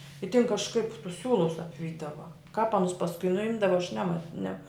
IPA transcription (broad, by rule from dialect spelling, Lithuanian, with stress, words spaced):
ɪ tʲɪn kɐʃˈkɐɪp tʊs ˈsʲuːlˠʊs ɐpʲˈʋʲiːdɐʋɐ kɑːp ˈɑːnʊs pɐsˈkʊɪ nʊˈɪmdɐʋɐ ɐʃ ˈnʲæːmɐ nʲɛ